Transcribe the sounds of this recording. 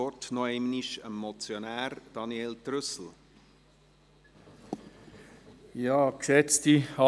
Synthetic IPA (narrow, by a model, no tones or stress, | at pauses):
ɔtnɔɛmniʃəmːɔt͡sjonæːɾd̥ɑnjeltɾʏsl̩ | jɑːksɛt͡stiɑ